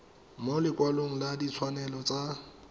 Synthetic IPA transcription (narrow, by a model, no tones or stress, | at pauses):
molɪkwaloŋ̩ladit͡sʰwanɛlɔt͡sʼa